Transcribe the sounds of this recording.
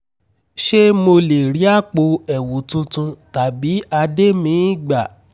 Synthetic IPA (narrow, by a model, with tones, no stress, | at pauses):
ʃe˦mo˧le˨ɾi˨˦a˦˨k͡po˧ɛ˨wu˨˦tũ˧tũ˧ta˨bi˨˦a˧de˦mĩ˧˦i˦ɡ͡ba˨